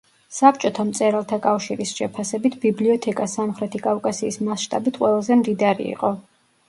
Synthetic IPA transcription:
sapt͡ʃʼɔt̪ʰamt̪sʼɛɾalˠt̪ʰakʼafʃiɾisʃɛpʰasɛbit̪ʰbibliɔt̪ʰɛkʼasamχɾɛt̪ʰikʼavkʼasiːsmasʃt̪ʼa̰bit̪ʰqʼwɛlˠazɛmd̪id̪aɾḭḭqʼɔ

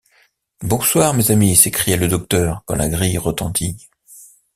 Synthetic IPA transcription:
bɔ̃swaʁmezamisekχijɛləd̪ɔk̚t̪œːʁkɑ̰̃lʔa̰ɡʁijʁət̪ɑ̃t̪ʰi

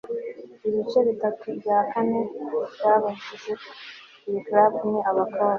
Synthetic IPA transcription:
iβit͡ʃe̞βitatʰubjaːkane̞bjaːβaɲd͡ʒize | ɾiklabniaβakʰoːɾ

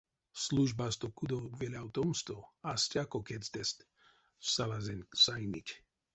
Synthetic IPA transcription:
sluʒbast̪okud̪owvɛlʲawt̪ɔmst̪oastʲakɔkɛt͡st̪ɛst̪ | salazsajnʲicʲ

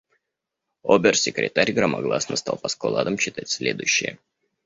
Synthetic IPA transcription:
obʲɪrsʲɪkɾʲɪ̰t̪aɾʲɡrəmɐɡlˠasnəst̪alˠpɐskolˠad̪əmɕɪt̪atʲsʲlʲed̪ʊ̰jʊɕːɪjə

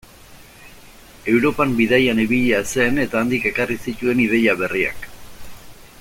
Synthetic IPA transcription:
e̞wɾo̞pambiðajaniβiʎiase̞ne̞t̪aːnd̪ike̞karisit̪ue̞nið̞e̞ʎaβe̞ria̰k

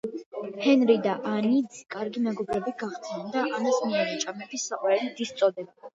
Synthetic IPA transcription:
hɛnɾid̪aʔanid̪zkʼaɾɡimɛɡɔbɾɛbiɡ̥aχt̪sʰɛnd̪aʔanasmiɛɾɛt͡ʃʼamɛbisːaqʼwaɾɛlid̪ist̪sʼɔd̪ɛb

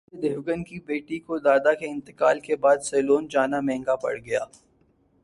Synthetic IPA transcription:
d̪eːʋɡənkibeːʈikod̪aːd̪akeɪ̃nt̪ɪkaːlkebaːd̪sɛːloːnd͡ʒaːnamɛ̃ːŋɡapɐ̰ɽɡɐja̰ː

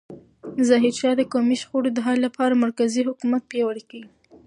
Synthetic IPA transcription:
zaɦɪd̪ʃɑd̪əkɑmiʃxoɽod̪əɦɑllapʰɑɾamaɾkaziɦʊkumat̪̚pjɑwəɽikawi

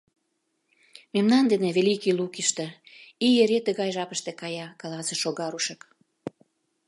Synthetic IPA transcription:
memnɑnd̪eneβelikilukiʃt̪ĕijeɾet̪əɣɑjʒɑpəʃt̪ĕkɑjɑkɑlɑsĕʃoɣɑɾuʃək

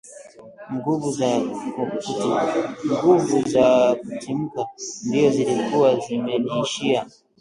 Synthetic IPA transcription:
ŋɡuvuzaukutiŋɡuvuzakutim̩kandiɔzilikuwazimɛniːʃia

